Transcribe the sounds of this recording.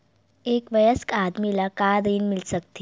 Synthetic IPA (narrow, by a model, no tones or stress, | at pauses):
ekʋəjəskad̪milakad̪əinmilsək̚t̪i